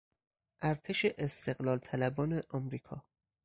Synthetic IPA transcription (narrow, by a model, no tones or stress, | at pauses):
ʔæɾt̪ʰeʃeʔest̪e̞ɣlɒːlt̪ʰælæbɒːneʔɒmɾiːkʰɒː